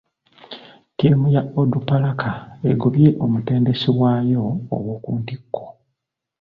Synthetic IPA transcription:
temujaodupalakaeɡoβjeʔomute̞ːnde̞siwaːjo̞̰ːβwoːkuːndikːo̥

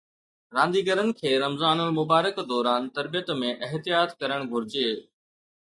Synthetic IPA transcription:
ɾãːnd̪iːɡəɾənɪ̆kʰeːɾɐmzaːnəlmʊbaːɾəkd̪ɔːɾaːnt̪ɐɾbijət̪mẽʔɪɦt̪ɪjaːt̪kɐɾəɽ̃ɡʱʊɾd͡ʑeː

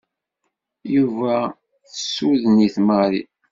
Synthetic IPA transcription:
juvæ | θəsuðəniθməɾi

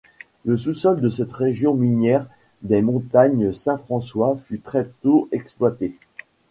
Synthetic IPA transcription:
ləsusɔld̪əsɛt̪ʁeʒjɔ̃minɛʁ | d̪ɛmɔ̃t̪aɲsɛ̃fχɑ̃swafyt̪χɛt̪oʔɛksplwat̪e

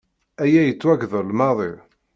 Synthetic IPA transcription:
æjæjət͡sːwæɡðəɾlmɑðˤi

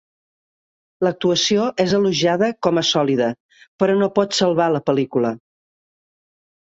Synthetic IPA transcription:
lək̚t̪uəsioʔezəluʒaðəkɔməsɔliðə | pəɾɔnopɔt̪səlˠβaləpəlikulə

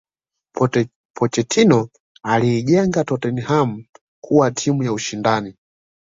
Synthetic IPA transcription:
pʰɔt͡ʃɛtʰinɔ | aliːʄɛŋɡatɔtɛniham̩ | kʰuwatʰimujauʃindani

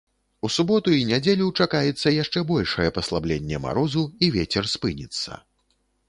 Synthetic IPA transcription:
usubɔt̪uinʲad͡zʲelʲut͡ʂakajɛt̪sːɐjaʂt͡ʂɛbɔlʲʂɐjɛpɐslˠablʲenʲːɛma̰ɾɔzuivʲet͡sʲɛrspɨnʲit̪sːɐ̰

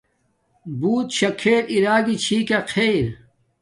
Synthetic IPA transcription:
buːt̪ɕɐkʰːeːɾiɾaːɡit͡ɕʰiːkaqʰejɾ

